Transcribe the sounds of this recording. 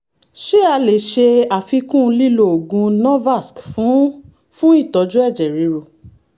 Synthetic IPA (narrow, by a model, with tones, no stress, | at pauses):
ʃe˦a˧le˨ʃe˧a˨fi˧kũ˦˧li˦˨lo˧˨o˨ɡũ˧nɔ̃˦va˦˨skfũ˨˦ | fũ˦i˦˨tɔ˨˧˦d͡ʒũ˦ɛ˦˨d͡ʒɛ˨ɾi˨˦ɾo˧˨